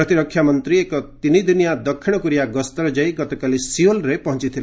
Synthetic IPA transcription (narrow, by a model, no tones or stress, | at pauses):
ɾɔt̪iɾɔkʰːjamɔnt̪ɾiekɔt̪inid̪inijad̪ɔkʰːiɽ̃ɔkuɾijaɡɔst̪ɔɾɔd͡ʒajɡɔt̪ɔkalisiolɾepɔɦɔnt͡ʃit̪ʰile